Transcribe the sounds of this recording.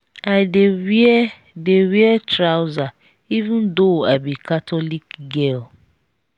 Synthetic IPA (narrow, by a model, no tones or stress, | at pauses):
adewiɛ | dewiɛtɾawza | ivũndoabikatʰɔlikɡel